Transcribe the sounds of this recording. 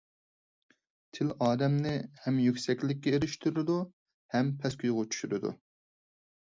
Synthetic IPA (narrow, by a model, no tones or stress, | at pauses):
t̪ʰɪlɑːd̪ɛmnɪhɛmjykʲsɛkʲlɪkʲːɛeɾɪʃt̪ʰyɾɪd̪u | hɛmpʰɛskʲʰyjʁʊt͡ʃʰy̥ʃyɾɪd̪ṵ